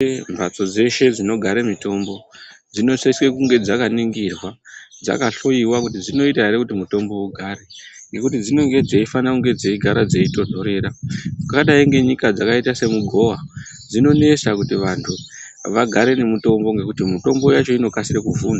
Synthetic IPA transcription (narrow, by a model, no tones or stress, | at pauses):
mbʱat͡so̞d͡ze̞ʃe̞d͡zino̞ɡʱaɾemito̞mbo̞d͡zino̞saswekuŋɡe̞d͡zakaniŋɡirwad͡za̰kaɬo̞iwakutid͡zino̞itaɾekutimuto̞mbo̞uɡʱaɾeŋɡe̞kutid͡zino̞ŋɡe̞d͡zeifanakuŋɡe̞d͡zeiɡʱaɾad͡ze̞ito̞dʱo̞ɾe̞ːɾaakaɗaiŋɡe̞ɲikad͡zakaitase̞muɡʱo̞wa | d͡zino̞ne̞sakutiʋantʰu | ʋaɡʱaɾe̞ne̞muto̞mbo̞ŋɡe̞kutimuto̞mbo̞jat͡ʃo̞ino̞kasiɾekuvuːna